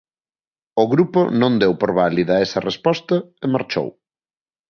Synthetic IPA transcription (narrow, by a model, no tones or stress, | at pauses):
ʊɣɾuponõnd̪ewpoɾβaliðɐɛsɐrespɔst̪ɐɪmaɾt͡ʃo̰w